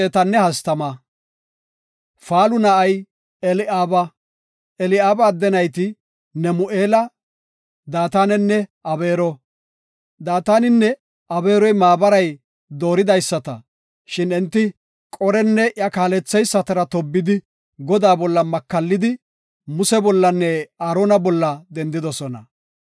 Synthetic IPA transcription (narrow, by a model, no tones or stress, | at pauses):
eːt̪ɐnːɛhɐst̪ɐmɐ | faːlʊnɐʔɐj | ɛlɪʔaːbɐ | ɛlɪaːbaːd̪ːɛnɐjt̪ɪ | nɛmʊʔe̞ːlɐ | d̪aːt̪aːnɛnːɛɐbe̞ːɾɔ | d̪aːt̪aːnɪnːɛ | ɐbe̞ːɾɔjmaːbɐɾɐj | d̪o̞ːɾɪd̪ɐjsːɐt̪ɐ̰ | ʃɪnɛnt̪ːɪ | kʼɔɾɛnːɛʔjɐkaːlɛt͡sːɛjsːɐt̪ɐɾɐt̪ɔbːɪd̪ɪ | ɡɔd̪aːbɔlːɐmɐkːɐlːɪd̪ɪ | mʊsɛbɔlːɐnːɛaːɾoːnɐbɔlːɐd̪ɛnd̪ɪd̪ɔsɔnɐ̰